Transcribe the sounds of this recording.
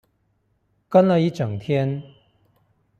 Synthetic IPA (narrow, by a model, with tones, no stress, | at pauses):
kɐ˥nlɐ˨˧ji˥t͡ʃɐ˨˩ŋt̪ʰjɛ˥n